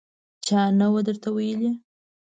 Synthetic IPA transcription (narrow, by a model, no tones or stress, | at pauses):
t͡ʃɑnawad̪əɾt̪awajəli